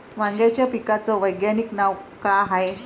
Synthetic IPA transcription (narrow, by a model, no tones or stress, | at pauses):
ʋãŋɡjat͡ɕjapikat͡sɔʋəjɡjaniknaʋkɭaɦae